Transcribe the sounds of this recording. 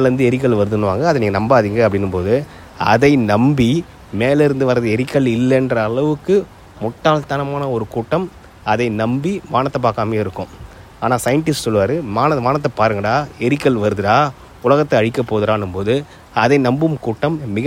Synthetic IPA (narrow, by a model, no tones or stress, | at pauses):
lɾɯnd̪ɯɛɾɪk̬ːɐɭʋɐɾɯðɯnɯʋaːŋɡɐːðɐniːŋɡɐnɐmbaːðiŋɡɐɐpːɐɽɪnːɯmpoːðɯ | ɐ̰ðɐɪnɐmbi | meːlɪɾɯnd̪ɯʋɐɾɐðɯɛɾɪkːɐɭɪlːɛndrɐːɭɐʋɯkːɯ | mʊʈːaːlt̪ɐnɐmaːnɐɔɾɯkuːʈːɐm | ɐðɐɪnɐmbimaːnɐt̪ːɐpːaːkaːmeːɪɾɯkːʊ̃ | aːnaːsɐjɐɳʈɪsʈsɔlːɯʋaːɾɯmaːnɐmaːnɐt̪ːɐpaːɾɯŋɡɐɽaːɛɾɪkːɐɭʋɐɾɯðɯɾaː | ʊlɐɣɐt̪ːɛɐɻɪkːɐpːoːðɯɾaːnɯmpoːðɯ | ɐðɐɪnɐmbɯmkuːʈːɐmːɪɣɐ